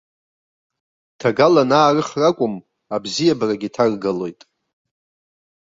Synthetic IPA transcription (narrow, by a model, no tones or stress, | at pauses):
tʰaɡalanaːrɨχrakʷʼʊm | abzijabaraɡʲitʰarɡalo̞jtʼ